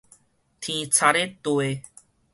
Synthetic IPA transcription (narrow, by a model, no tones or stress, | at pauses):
t̪ʰĩːt͡sʰaɾet̪oe